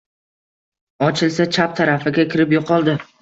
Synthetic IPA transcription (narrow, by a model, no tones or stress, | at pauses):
ɒt͡ʃʰɪlˠsat͡ʃʰap̚t̪ʰaɾafɪɡʲakʲʰɪɾɪpjoqʰɒlˠd̪ɪ